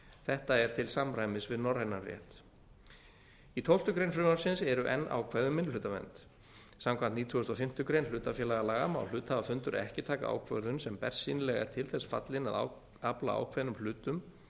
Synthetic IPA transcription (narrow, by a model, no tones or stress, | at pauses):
θɛht̪aɛɾ̥t̪ʰɪlsamɾajmɪsvɪðnɔrːejnarrjɛ̰ht̪ | it̪ʰowlt̪ʏkɾejnfɾɪmaɾsɪnsɛɾʏʔɛ̰nːʔa̰wkʰvɛðʏmːɪnʏːt̪amɛ̰nt̪ | samkʰvant̪niːt̪ʰʏɣʏst̪ɔfɪm̥t̪ʏkɾejnlʏːt̪afjɛlaɣalaːɣama̰wlʏːt̪havafʏnt̪ʏɾɛ̰hcɪt̪ʰaːka̰ʔa̰ːwkʰvœɾðʏnsɛmpɛr̥sinlɛɣɛ̰ɾ̥t̪ʰɪlθɛsfa̰t̪lɪna̰ða̰ | apla̰a̰ːwkʰvɛðnʏmlʏːt̪ʏm